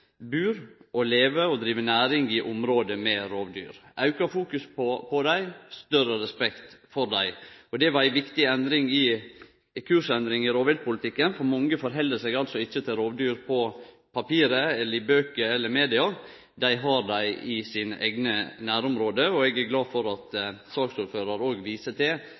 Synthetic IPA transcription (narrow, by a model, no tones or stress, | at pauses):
bʉːɾʔɔleːʋəɔd̪ɾiːʋənæːɾɪŋɪʔʊmɾoːd̪əmɛɾoːʋd̪y̰ːɾʔɑʉkɑfuːkʉspɔpʰɔd̪æɪst̪œɾəɾɛspɛkt̪fɔɾd̪æɪɔd̪ɛʋɑɾæɪʋɪkt̪ɪɛnd̪ɾɪŋɪ | kʰʉːʂɛnd̪ɾɪŋɪɾoːʋɛl̚pʊlɪt̪ɪkːənfɔɾmɑŋːəfɔɾɦɛld̪əsɛɡɑlt̪sɔɪçːət̪ʰɪlɾoːʋd̪yːɾpʰɔ | pʰɑpiːɾəɛlːəɾɪbøːkəɾɛlːəɾmeːd̪ɪɑɾ | d̪æɪɦɑɾd̪æɪɪsɪnəʔæ̰ɡnənæːɾʊmɾoːd̪əɔɛɡæɾɡlɑːfɔɾɑt̪sɑːksuːɾføːɾɑɾoːɡʋiːsət̪ɛ